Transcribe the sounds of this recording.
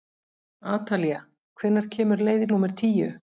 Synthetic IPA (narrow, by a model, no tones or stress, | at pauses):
aːt̪ʰalia | kʰvɛnːaɾ̥cʰɛːmʏɾleːjðɪnuːmɛɾ̥t̪ʰiːjʏ